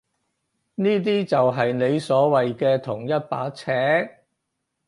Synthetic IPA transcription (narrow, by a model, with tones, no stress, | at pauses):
niː˥t̪̬iː˥t͡sɐ˨wɦɐ˨jne˨˧jsɔː˨˥wɐ˨jkɛː˧t̪ʰʊ˨˩ŋjɐ˥t̚pa̰ː˨˥t͡sʰɛː˨˥k̚